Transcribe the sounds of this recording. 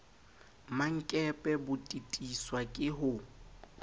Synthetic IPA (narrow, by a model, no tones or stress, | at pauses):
maŋ̩kʼɛpʼɛbʊtʼitʼiswakʼɪɦʊ